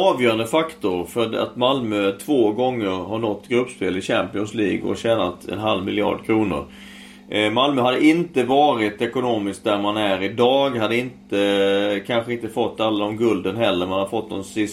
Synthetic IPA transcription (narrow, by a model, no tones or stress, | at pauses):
ɑːvjœːɾand̪əfakt̪ʊɾfœɖa̰t̪malmœt̪ʰvoːɡɔŋːəɾɦaɳɔt̪ːɡɾɵpːspeːlɪɕæmpɪɔnsliːɡɔ̰ɕæːnat̪ɛ̰nɦalvmɪlɪɑ̰ːɖkʰɾuːnʊ̰ɾ | malmœhad̪ːəʔɪnt̪əvɑːɾɪt̪ɛkʊnoːmɪsk̚d̪æɾmanæɾɪd̪ɑːɡhad̪ːəɪnt̪əkʰanɧəɪnt̪əfɔt̪ːalːaɔmɡɵld̪ənɦɛlːəɾmanhaɾfɔt̪̚ːd̪ɔmsɪs